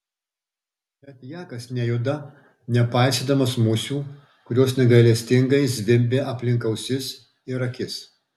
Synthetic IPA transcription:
bʲɛt̪jæːkɐsnʲɛjʊːd̪ɐ | nʲɛpɑˑɪsʲeːd̪ɐmɐsmʊsʲuː | kʊɾʲoːsnʲɛɡɐɪlʲɛsʲt̪ʲɪŋɡɐɪzʲʋʲɪmʲbʲeːʔɐpʲlʲɪŋkɐʊsʲɪs | ɪɾɐkʲɪs

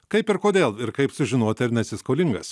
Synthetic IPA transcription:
kɐɪpɪɾkoːd̪ʲeːlˠɪɾkɐɪpsʊʒʲɪnoːt̪ʲɐɾnʲɛt̪ʲsʲɪskoːlʲɪŋɡɐs

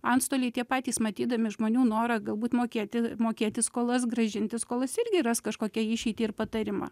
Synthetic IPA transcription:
ɐntst̪oːlʲɛɪt̪ʲiɛpɑːt̪ʲiːsmɐt̪ʲiːd̪ɐmʲɪʒmoːnʲuːnoːɾɐɡɐlˠbuːt̪moːkʲeːt̪ʲɪmoːkʲeːt̪ʲɪskoːlˠɐs̬ɡɾɐʒʲɪnʲt̪ʲɪskoːlˠɐsɪrʲɡʲɪrɐskɐʃkoːkʲɛɪʃʲɛɪt̪ʲiːɪrpɐt̪ɐɾʲɪmɑ̰

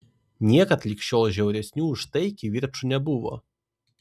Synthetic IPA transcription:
nʲɛkɐt̪lʲikɕɔlˠʒʲɛwɾʲɛsʲnʲuːʂt̪ɛjkʲivʲirt͡ʂunʲɛbuwˠɔ̰

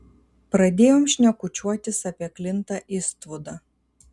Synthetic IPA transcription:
pɾɐd̪ʲeːjoːmʃʲnʲɛkʊt͡ʃʲuɔt̪ʲɪsɐpʲiɛklʲɪnt̪ɐʔɪst̪ʋʊd̪ɐ

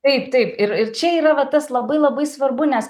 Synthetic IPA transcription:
t̪ɐɪpt̪ɐɪpɪɾɪɾt͡ʃʲɛiːɾɐʋɐt̪ɐslˠɐbɐɪlˠɐbɐɪsʋɐrbʊnʲɛs

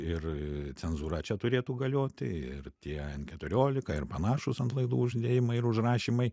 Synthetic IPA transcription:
ɪrt͡sʲɛnzuːɾɐt͡ʃʲɛt̪ʊɾʲeːt̪uːɡɐlʲoːt̪ʲɪ̰ɪ̰rt̪ʲiɛnkʲɛt̪ʊɾʲoːlʲɪkɐɪrpɐnɑːʃʊsɐnt̪lˠɐɪd̪uːʊʒʲd̪ʲeːjɪmɐɪɪɾʊʒɾɑːʃʲiːmɐɪ

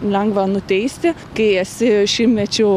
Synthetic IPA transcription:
lʲɛŋɡʋɐnʊt̪ʲɛɪsʲt̪ʲɪ | kɐɪɛsʲɪʃʲɪmmʲɛt͡ʃʲʊ

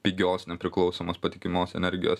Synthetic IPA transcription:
pʲiɡʲoːsnʲɛpʲɾʲɪklˠɒʊsoːmoːspɐt̪ʲɪkʲɪmʲoːsɛ̰nʲɛɾʲɡʲɪjo̰ːs

